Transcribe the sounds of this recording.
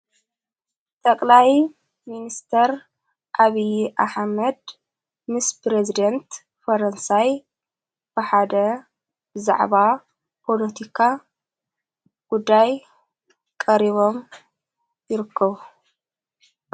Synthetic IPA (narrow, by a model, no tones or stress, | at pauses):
t̪ʼɐkʼlaj | minist̪ʰɐɾ | ʔaβijʔaħmɐd̪ | mɨspɾezid̪ɐnt̪ | fɐɾɐnsaj | b̥ɐħad̪ɐ | bɨza̰ʕβa | pʰolɐt̪ʰikʰa | ɡ̥ud̪ːaj | kʼɐɾiβo̞m | jɪɾɨkʰːɐβu